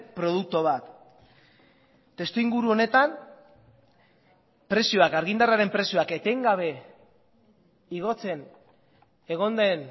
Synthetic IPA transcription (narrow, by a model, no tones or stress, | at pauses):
pɾo̞ð̞uk̚t̪oβat̪ | e̞st̪uiŋɡuɾuo̞ne̞t̪an | pɾe̞sioakaɾɣind̪araɾe̞mpɾe̞sijoake̞t̪e̞ŋɡaβ̞e̞ | iɣ̞o̞t͡se̞n | e̞ɣ̞o̞nd̪e̞n